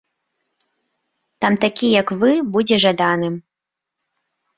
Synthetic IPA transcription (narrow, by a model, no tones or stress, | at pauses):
t̪amt̪akʲijɐkvɨbud͡zʲɛʐad̪anɨm